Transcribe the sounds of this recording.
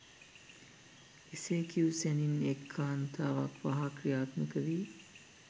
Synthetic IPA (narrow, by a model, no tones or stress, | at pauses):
eseːkiusæninekʰːaːnt̪aːʋa̰kʋaɦakrijaːt̪məkəʋiː